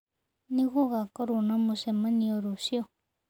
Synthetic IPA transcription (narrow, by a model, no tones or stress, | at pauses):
nĩɣoɣakoɾunãmũsemãnĩoɾusio